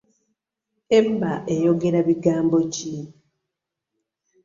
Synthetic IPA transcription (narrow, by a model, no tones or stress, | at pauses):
embaʔejo̞ɡe̞ɾaβiɡaːmbo̞ci